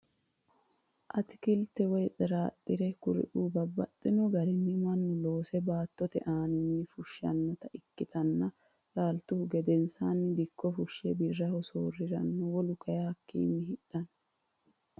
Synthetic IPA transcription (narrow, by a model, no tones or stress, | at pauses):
ʔɐt̪ɪ̥kɪlt̪ɛwɔjt͡sʼɛɾaːt̪ʼːɪɾɛkʊɾɪ̰ʔuːbɐbːɐt̪ʼːɪnɔɡɐɾɪnːɪmɐnːʊlo̞ːsɛbaːt̪ːɔt̪ɛ̰ʔaːnɪnːɪfʊʃːɐ̰nːɐt̪ɐʔɪkːɪt̪ɐnːɐ | ɾaːlt̪ʊhʊɡɛd̪ɛnsaːnːɪd̪ɪkʰːɔfʊʃːɛbɪrːɐhɔsoːrːɪɾɐ̰nːɐwɔlʊkɐjɐhɐkːḭːnːɪhɪᶑːɐn